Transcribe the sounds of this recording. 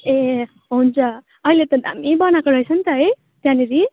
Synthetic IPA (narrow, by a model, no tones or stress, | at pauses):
e | ɦunt͡sʌ | ʌilet̪ʌd̪a̰mibʌnakoɾʌjsʰʌnt̪ʌɦʌj | t̪janiɾi